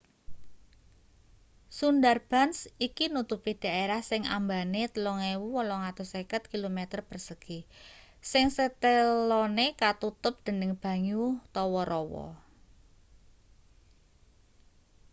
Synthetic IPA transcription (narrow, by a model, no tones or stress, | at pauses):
sundarb̥a̤nsikinut̪upid̥a̤eɾahsɪŋa̰mbanet̪əlɔŋewuwɔlɔŋat̪ʊsekət̪̚kilomet̪ərpərsəɡ̥i | sɪŋsət̪əlɔnekat̪ut̪ʊp̚d̪̥ə̤nɪŋb̥a̤ɲut̪ɔwɔɾɔwɔ̰